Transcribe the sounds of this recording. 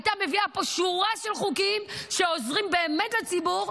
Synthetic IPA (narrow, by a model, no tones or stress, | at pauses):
t̪ame̞viapoʃuʁaʃelχukimʃeozʁimbe̞ːmetlat͡sibuʁ